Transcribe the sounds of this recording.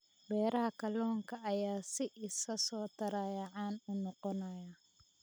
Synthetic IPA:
bɛːɾɐɦɐkʰɐlɔːŋkʰɐɐjaːsɪʔɪsɐsɔːt̪ʰɐɾɐjɐʕɑːnʊnɔqɔnɐjɐ

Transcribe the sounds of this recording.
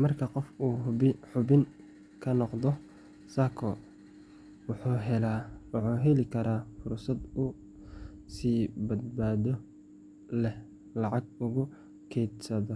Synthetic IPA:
mɐrkʰɐqɔfuːɪħʊbɪŋ | kʰɐnɔqd̪ɔ | sakʰɔ | wħuɦɛlawħuːɦɛlɪkʰɐɾaːfʊrsɐd̪ʊ | siːbɐd̪baːðɔ | lɛh | lɑʕɑɡ̚ʊɣʊ | kʰɛjd̪sɐðɔ

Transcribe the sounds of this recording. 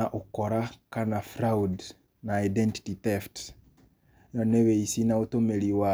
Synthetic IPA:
aʔokɔɾakanafɾaud | naidɛnti̥titɛft | jɔneweisinaotomeɾiwa

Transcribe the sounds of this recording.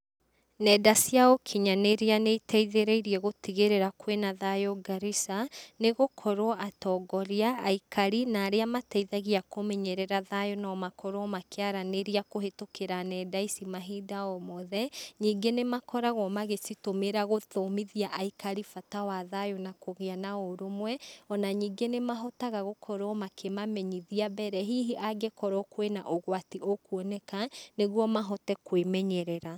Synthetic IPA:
nɛdasiaokʰiɲaneɾeanetʰɛiðeɾeiɾiɛɣotiɣeɾeɾakwenaðajoɡaɾisaneɣokʰɔɾoɔʔatɔɡɔɾiaːikaɾinaːɾeamatɛiðaɣiakomɛɲɛɾɛɾaðajonaɔmakʰɔɾoɔmakeaɾaneɾiakohetokeɾanɛdaisimaɦiːdaɔmɔðɛɲiːɡenemakɔɾaɣɔmaɣesitomeɾaɣoðomiðiaʔaikaɾifatawaðajonakoɣeanaɔɾomwɛɔnaɲiːɡenemaɦɔtaɣaɣokʰɔɾɔmakʰemamɛɲiðiabɛɾɛɦiɦiʔaɡekɔɾɔkwena̰ʔoɣwatiʔokwɔnɛkaneɣwɔmaɦɔtɛkwemɛɲɛɾɛɾa

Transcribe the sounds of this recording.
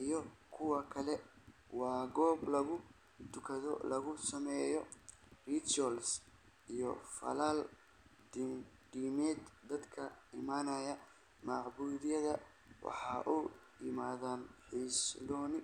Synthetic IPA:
ʔijɔkʰʊwɑkʰɐlɛwɑːɡɔːblɐɣʊ | t̪ʰʊkʰɐðɔ̰lɐɣʊsɐmɛːjɔrit͡ʃɔls | ʔijɔ̰fɐ̰laːl | d̪diːmɛːd̪d̪ɐd̪kʰɐɪmaːnɐjɐ | mɑʕbuːðɪjɐðɐ | wɑ̰ħɑʔuː | jɪmaːðaːnħiːslɔːnɪ

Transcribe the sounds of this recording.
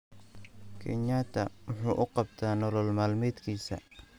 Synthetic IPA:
kʰɛ̰ɲaːt̪ʰɐwʊħuːʔʊqɑbt̪ʰaːnɔlɔlmaːlmɛːd̪kʰiːsɐ̰

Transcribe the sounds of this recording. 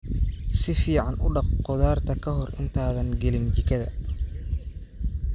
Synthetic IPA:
sɪfiːʕɑnʊɖɑqqɔðaːrt̪ʰɐkʰɐɦɔrɪ̰nt̪ʰaːðɐŋɡɛlɪnt͡ʃɪkʰɐðɐ̰

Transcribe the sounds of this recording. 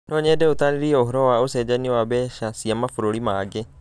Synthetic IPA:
ndɔːɲɛːdɛot̪aniɾiɛoɦɔɾɔwaosɛːd͡ʑaniwaβɛːʃasiamafuɾoɾimaɡe

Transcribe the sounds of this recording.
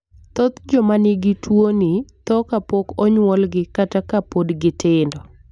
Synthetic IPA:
t̪ɔt̪d͡ʒɔmanɪɡɪtʰwonit̪ɔkapokɔɲwɔlɡɪkatakapodɡɪtɪndɔ

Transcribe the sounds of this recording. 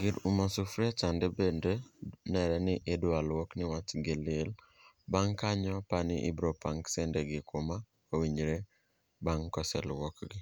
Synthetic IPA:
ɡɪɾumasufɾat͡ʃandebendenɛɾɛnɪʔedwalwɔknɪwat͡ʃɡelɪl | baŋkaɲɔpanɪ̰ʔḭbɾopaŋksɛndeɡɪkʰoma | owiɲɾe | baŋkɔsɛ̰lwɔkɡɪ

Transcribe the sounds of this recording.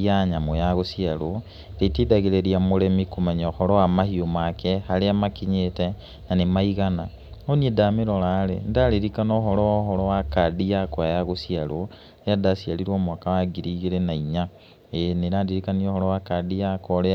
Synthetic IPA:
iaɲamojaɣosialo | ɾetidaɣeɾeɾiamoɾemikomaɲaoxɔɾowamahiomakʰehaɾeamakiɲete | nanemaiɣana | oniedameɾolalḛndaɾiɾikanoxɔɾoɦɔɾowakadijakwajaɣosialo | ejadasjaliɾwoːmwakawaɡiɾiɣeɾenaiɲa | eneɾadiɾikaniohɔɾowakadijakoɾe

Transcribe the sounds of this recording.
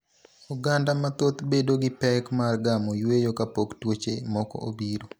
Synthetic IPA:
uɡandamat̪ot̪bedoɡɪpɛkmarɡamojwejokapoktwot͡ʃemɔkɔ̰ʔobiɾo

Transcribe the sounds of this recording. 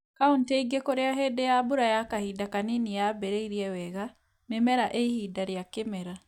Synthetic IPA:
kaunteiɡekoɾeaɦɛdejabuɾajakahidakaninijabɛɾeiɾiɛwɛɣa | memɛɾaʔeihidaɾjakemɛɾa

